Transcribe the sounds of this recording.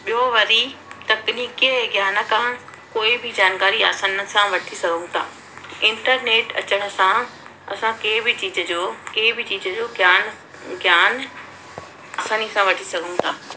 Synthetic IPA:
ɓɪjoʋɐɾit̪ɐkniːkeɡjaːnəkãː | koːibʱɪd͡ʑaːnkaːɾia̰ːsaːnsãʋɐʈʰisɐɡʱũt̪ʰaː | ɪ̃ɳʈəɾneːʈɐ̰t͡ɕəɽ̃ə̆sã | ɐsãkeːbɪt͡ɕiːd͡ʑəd͡ʑoːkeːbɪt͡ɕiːzəd͡ʑoːɡjaːn | ɡjaːn | aːsaːnisãʋɐʈʰisɐɡʱũt̪ʰaː

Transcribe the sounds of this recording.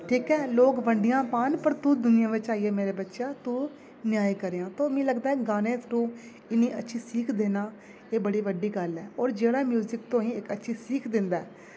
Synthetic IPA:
ʈʰiːkɛːloːkʋəɳɖɪjãːpaːnpəɾt̪uːd̪ʊnɪjãːʋɪt͡ʃaːiːɛːmeːɾeːbətːʃaːt̪uː | nɪjaːikəɾeːãːt̪oːmĩːləɡd̪aːɛːɡaːnẽːt̪ʰɾũː | ɪnĩːətːʃʰiːsiːkʰd̪eːnaː | eːbəɽiːʋəɖiːɡəlɛːɔːɾd͡ʒeːɽaːmjuːzɪkt̪õːĩːɪkətːʃʰiːsiːkʰd̪ɪnd̪aː

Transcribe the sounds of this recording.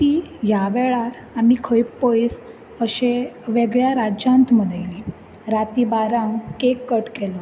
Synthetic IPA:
t̪iːjaʋɛɭaɾ | amikʰəjppːəjs | əɕeʋeɡɭjaɾad͡ʑjãnt̪məd̪ʱajli | ɾat̪iːbaɾãwkekːəʈkɛlɔ

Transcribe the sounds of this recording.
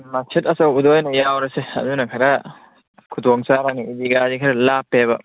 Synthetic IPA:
masʰitɐsawudɔjnɐjawɾɐseɐ̰dunɐkʰaɾa | kʰudɔŋsaɾaniidiɡadikʰaɾɐlapːebɐ

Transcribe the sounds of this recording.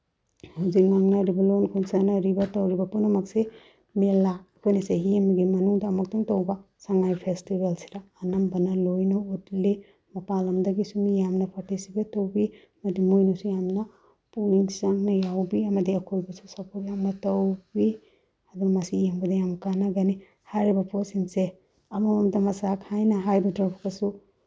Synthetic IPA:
huzik̚naŋnɐɾibɐlonkʰunsanaɾibɐtɐwɾibɐpunumɐkse | melaːkʰojnɐseɦiamiɡimɐnuŋdaːmɐk̚tuŋtɐwbɐ | saŋajpʰestibalsi̥ɾaːnɐmbɐnɐlojnɐutle | mɐpalɐmdɐɡisumijamnɐpʰatisibɐtɐwbi | mɐdimujnusujamnɐ | puiŋsaŋnɐjawbiɐmɐdiɐkʰojbɐsusɐpoɾjamnɐtɐwbi | ɐduŋɐmɐsijambɐdɐjamkanaɡɐni | haɾibɐpɔsinse | ɐmamamdɐmɐsakhajnɐɦajbɐdɾɔpkasu

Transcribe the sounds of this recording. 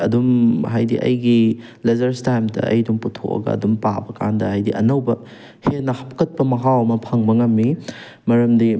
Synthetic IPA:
ɐdumhajdiʔɐ̰jɡi | lezɐɾstajmdɐ̰ɐ̰jdumputʰo̰kɐ̰ɡɐ̰ɐ̰dumpa̰bɐka̰ndɐhajdiʔɐnɐwbɐ | henːɐhɐpʰkɐt̚pɐmɐɦawɐmɐpʰɐŋbɐŋɐmːi | mɐɾɐmdi

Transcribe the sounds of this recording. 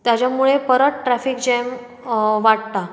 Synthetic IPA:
t̪jat͡ɕjamuɭepəɾət̪̚ʈɾæfik̚d͡ʑɛjm | ʋaʈ̚t̪a

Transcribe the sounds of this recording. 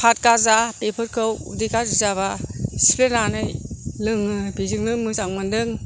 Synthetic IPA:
pʰat̚kazapepʰɯɾkʰɯwṵdikaizaβasi̥penanɯjlɯŋɯbizɯŋnɯmɯsaŋmɯndɯŋ

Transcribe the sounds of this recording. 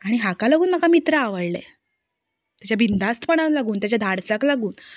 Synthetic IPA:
aɽ̃iɦakalaɡuːnm̤akamit̪ɾəaʋəɽlḛ | t̪jat͡ɕjabʱind̪ʱast̪pəɳ̃alaɡuːnt̪jat͡ɕjad̪ʱaɽsaklaɡuːn

